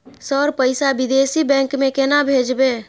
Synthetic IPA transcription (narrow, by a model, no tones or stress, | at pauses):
səɾpəɪsabid̪esibɛ̃ŋkmẽkenabʱed͡ʒbe